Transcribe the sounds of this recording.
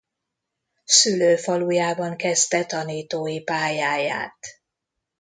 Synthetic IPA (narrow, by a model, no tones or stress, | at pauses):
syløːfɒlujaːbɒŋkɛst̪ɛt̪ɒniːt̪oːjipaːjaːja̰ːt̪